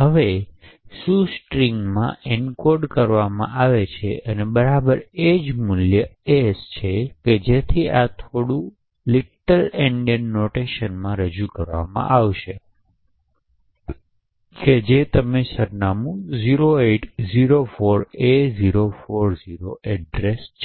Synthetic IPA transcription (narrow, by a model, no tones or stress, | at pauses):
ɦəʋesusʈɾiŋɡmã̰ɪɳkoɾɖkəɾʋamã̰ʔaʋet͡ʃʰḛʔənebəɾabəɾed͡ʒmʊljəest͡ʃʰeked͡ʒet̪ʰiat̪ʰoɽũ | lɪʈəleɳɖijənːoʈeʃənmãɾəd͡ʒukəɾʋa̰mã̰ʔaʋʃe | ked͡ʒet̪əmesəɾnamũziɾoeʈʰziɾofoɾeziɾofoɾziɾoʔɛɖɾest͡ʃʰe